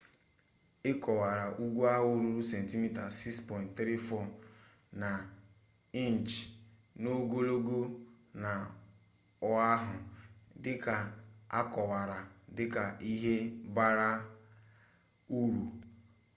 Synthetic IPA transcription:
ɪ˦kɔ˨wa˨ɾa˨ʔu˦ɡʷu˦a˦ɦʊ˦ɾu˦ɾu˦sɛ˨n̩˨ti˦mi˦ta˨si˦kspɔ˨j̃ntt̪ɾi˦fɔ˦˨ | na˨ | i˦n˨t͡ʃ | no˦ɡo˦lo˦ɡo˦ | na˨ | ʊ˦a˦ɦʊ˨dɪ˦ka˨a˦kɔ˨wa˨ɾa˨dɪ˦ka˨ʔi˦ɦe˦ba˦ɾa˦ | u˦ɾu˨

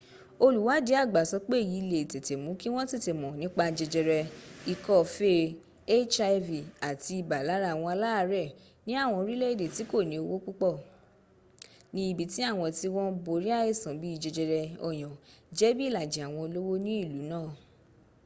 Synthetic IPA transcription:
o˧lu˨wa˨˦de˨˦a˦˨ɡ͡ba˨sɔ˨˧˦k͡pe˦˨ji˨˦˧le˧˨i˨te˨te˨mũ˨˦ki˦w̃ɔ̃˦te˦˨te˨mɔ̃˨nĩ˨˦k͡pa˧d͡ʒɛ˧d͡ʒɛ˧ɾɛ˧i˨kɔ˦˨fe˦ | e˦t͡ʃa˧vi˨a˨ti˧i˨ba˨la˨˦ɾa˦˨w̃ɔ̃˧a˧la˦˧ɾɛ˦˨ | nĩ˦a˦˨w̃ɔ̃˧ɾi˦le˦i˦˨de˨ti˨˦ko˦˨nĩ˨˦o˧wo˦ku˦k͡pɔ˦˨ | nĩ˧i˦˨bi˨ti˨˦a˦˨w̃ɔ̃˧ti˧wɔ̃˦bo˨˧ɾi˦a˦e˦˨sã˨bi˦i˧d͡ʒɛ˧d͡ʒɛ˧ɾɛ˧ɔ˨j̃ɔ̃˨d͡ʒɛ˨˦bi˦i˦la˨d͡ʒe˨a˨w̃ɔ̃˧o˧lo˦wo˦nĩ˦i˦˨lu˨˦nãː˦˨

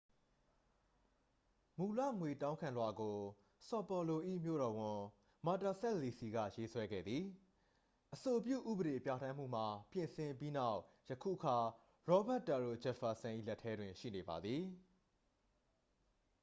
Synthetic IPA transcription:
mu˨lä̰˦˨ŋwe˨tã˦ʊ̃ŋkʰã˨nlwa˨ɡo˨ | sɔ˨pɔ˨lo˨ʔḭ˦˨mjo̰˦˨ɾɔ˨wʊ̃˨ | ma˨ta˨sɛ˦ʔli˨si˨ɡä̰˦˨je˦swɛ˦ɡɛ̰˦˨d̪ði˨ | ʔəso˨p̬jṵ˦˨ʔṵ˦˨bə˨ɾe˨pja˦˨tʰã˦m̥ṵ˦˨m̥a˨pjɪ̃˨sɪ̃˨mpi˦na˦˨ʊʔ | jə˨kʰṵ˦˨ʔəkʰa˨ | ɹɔ˦ba˦ʔtːa˨ɹo̰˦˨d͡ʑɛ˨fa˨sã˨ʔḭ˦˨lɛ˦tʰːɛ˦dwɪ̃˨ʃḭ˦˨ne˨ba̰˨d̪ði˨

